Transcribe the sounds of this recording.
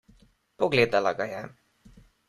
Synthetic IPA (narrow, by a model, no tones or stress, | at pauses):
pɔɡled̪alaɡajɛ